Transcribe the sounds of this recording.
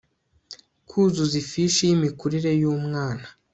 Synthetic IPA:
kʰuːzuzifiʃejimikuɾiɾe̞juːmŋaːna

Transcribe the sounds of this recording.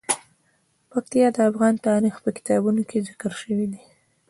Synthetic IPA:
pak̚t̪ijɑd̪əafɣɑnt̪ɑɾixpəkɪ̥t̪ɑbunokʰezɪkəɾʃəwid̪i

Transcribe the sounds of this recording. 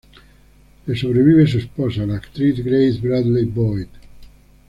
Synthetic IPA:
esoβɾeβiβes̬espɔsanakt̪ɾiθɡɾejθbɾad̪lebɔjk

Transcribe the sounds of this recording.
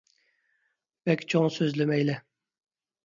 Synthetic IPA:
vɛkʲt͡ʃʰoŋsøzlɪmɛjlɛ

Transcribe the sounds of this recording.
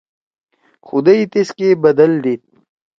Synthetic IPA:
xʊd̪ɐit̪eskebɐd̪ɐld̪it̪̚

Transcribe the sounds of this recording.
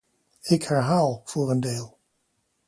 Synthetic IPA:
ɪkhaɹɦaːwˠfuːɾəndeːlˠ

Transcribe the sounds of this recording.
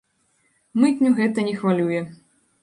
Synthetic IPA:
mɨtʲnʲuɣɛt̪ɐnʲɛxvalʲujɛ

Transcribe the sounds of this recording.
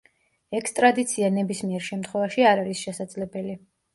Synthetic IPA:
ɛkʰst̪ʼɾad̪it̪sʰianɛbismiɛɾʃɛmt̪ʰχwɛvaʃiaɾaɾisʃɛsad̪zlɛbɛli

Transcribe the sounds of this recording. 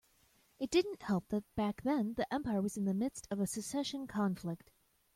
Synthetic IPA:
ɨt̚d̥ɪdⁿn̩ʔhɛlˠp̚ðɨt̚b̥æk̚ðɨ̃nðiʔɛ̃mpaɪə˞wʌz̃nðɨmɪd̥stʰʌvɨsɨsɛʃɨ̃nkʰɑ̃ɱflɪk̚t̚

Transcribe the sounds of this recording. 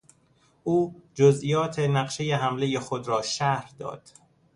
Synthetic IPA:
ʔuːd͡ʒozʔijɒːt̪ʰe̞næɢʃe̞jeɦæmlejexod̪ɾɒːʃæhɾd̪ɒ̰ːd̪̥

